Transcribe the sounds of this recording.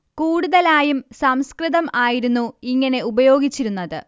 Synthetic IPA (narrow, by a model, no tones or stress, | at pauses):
kuːɽuðɐlaːjumsɐmskriðɐmaːjiɾunːuiŋːɐne̞ubɐjo̞ːɡit͡ɕːiɾunːɐðɨ̰